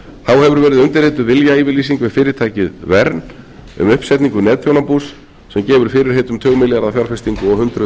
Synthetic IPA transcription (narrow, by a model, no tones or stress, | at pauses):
θawhɛvʏɾvɛːɾɪðʏmt̪ɪɾ̥heːt̪ʏvɪljaiːvɪɾlisiŋkvɪðfɪːɾɪɾ̥t̪ʰaːjcɪðvɛɾn | ʏ̰mʏhpsɛt̪niŋkʏnɛːt̪θjownapus | sɛmcɛːvʏɾ̥fɪːɾɪɾ̥heːt̪ʏmt̪ʰœːɣmɪlɛɣaɾafjalfɛst̪iŋkʏɔɣhʏnt̪ɾʏ